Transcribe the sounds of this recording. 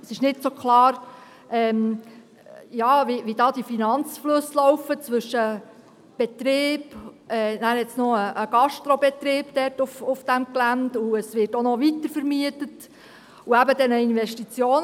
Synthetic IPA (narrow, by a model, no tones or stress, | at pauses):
əsɪʃnɪtsokχlɑːɾ | ɛːm | jɑːʋiʋidɑːd̥̪ifinɑnt͡sflɵslɔwfət͡sʋɵʃə | b̥ɛtɾeːbɛːnæːɾɛtt͡snoəʔəɡ̥ɑʃtɾɔbɛt̪ɾɪːb̥d̥ɛrtʊfʊfd̥æmklænd̪uəsʋɪrtonɔʋitəɾfəɾmiətət | uæbəd̪ɛnəinʋɛʃtit͡sjoːn